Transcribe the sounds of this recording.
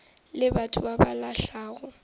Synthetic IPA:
lɪbatʰʊbabalaɬaːɣɔ

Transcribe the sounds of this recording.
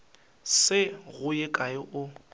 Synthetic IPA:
sɪɣʊjɪkʼaɪʔʊ

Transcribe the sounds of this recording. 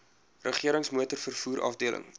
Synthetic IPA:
rəχiəɾəŋsmuətərfərfuːɾʔɐ̰fdiələ̰ŋ

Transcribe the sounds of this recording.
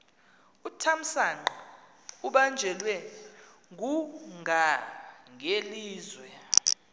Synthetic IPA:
utʰam̩saŋ͡ǃ | uɓand͡ʒʱɛlwɛ | ŋɡʱuŋʱaŋʱeliːzwɛ

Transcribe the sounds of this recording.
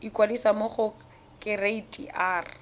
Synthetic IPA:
ikʼwadisamoχʊ | kʼɪreitʼḭʔaːrɪ

